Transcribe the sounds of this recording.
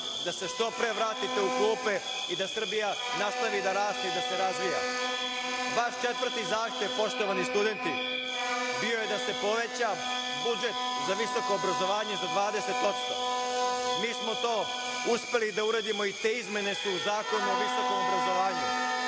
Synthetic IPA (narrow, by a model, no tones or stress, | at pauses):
d̪ase̞ʃt̪o̞pɾe̞ʋɾaːt̪it̪e̞ukluːpe̞ | id̪asr̩bija | nast̪aʋid̪aɾaːst̪eid̪ase̞ɾazʋija̰ | baʃt͡ʃe̞t̪vr̩t̪izaːxt̪eʋpo̞ʃt̪o̞ʋanist̪ud̪e̞nt̪i | bio̞je̞d̪ase̞po̞ʋe̞t͡ɕa | bud͡ʒe̞t̪ | zaʋiso̞ko̞ːbɾazo̞ʋaːɲe̞zad̪ʋaːd̪e̞se̞t̪o̞t̪st̪o̞ | miːsmot̪o̞ː | uspe̞lid̪auɾeːd̪imo̞it̪e̞ːizme̞ne̞suːzaːko̞nuoʋiso̞ko̞mobɾazo̞ʋaːɲu